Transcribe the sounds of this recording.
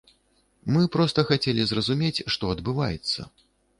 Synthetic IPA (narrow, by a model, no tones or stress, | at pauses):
mɨpɾɔst̪ɐxat͡sʲelʲizrɐzumʲet͡sʲʂt̪ɔɐd̪bɨva̰jɛ̰t̪sːɐ̰